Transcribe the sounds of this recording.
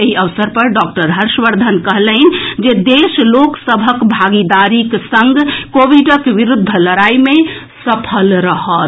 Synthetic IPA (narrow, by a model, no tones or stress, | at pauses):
eɦiəʋsəɾpəɾɖɔk̚ʈəɾɦəɾsʋəɾd̪ʱənkəɦlən̆d͡ʒed̪esloksəbʱəkbʱaɡid̪aɾiksəŋɡkoʋiɖəkʋiɾud̪ʱːələɾaime | səpʰəlɾəɦət̪